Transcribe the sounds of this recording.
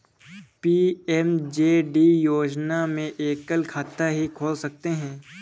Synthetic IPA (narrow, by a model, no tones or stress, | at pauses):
piːɛmd͡ʒeːɖijoːd͡ʒnamẽʔeːkːəlkʰaːt̪ːaɦikʰoːlsɐk̚t̪eɦɛ̃ː